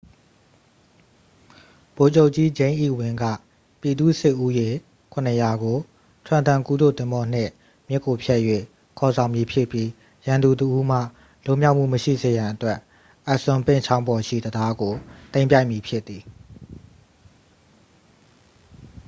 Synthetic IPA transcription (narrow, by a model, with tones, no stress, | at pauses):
b̥o˨t͡ɕo˦ʊʔt͡ɕi˦d͡ʑẽ˦ɪ̃ʔḭ˦˨wɪ̃˨ŋɡä̰˦˨ | pji˨d̪ṵ˦˨sɪ˦ʔu˦je˨ | kʰʊ̃˨nəja˨ɡo˨ | tʰwã˦˨nt̪ã˨ŋku˦d̪o̰˦˨t̪ɪ̃˦mbɔ˦n̥ɪ̰̃˦˨ | mjɪ˦˨kːo˨pʰjɛ˦ʔjwḛ˦˨ | kʰɔ˨zã˨ʊ̃mji˨pʰjɪ˦ʔpji˦ | jã˨nd̪u˨təʔu˦m̥ä̰˦˨ | lʊ˦˨mja˦ʊʔm̥ṵ˦˨məʃḭ˦˨ze˨jã˨ʔətwɛ˦ʔ | ʔa˦˨ʔsʊ̃˨mpɪ̰̃˦˨t͡ɕʰã˦ʊ̃mbɔ˨ʃḭ˦˨d̪əda˦ɡo˨t̪ẽ˦ɪ̃pja˦ɪʔmi˨pʰjɪ˦ʔt̪ːi˨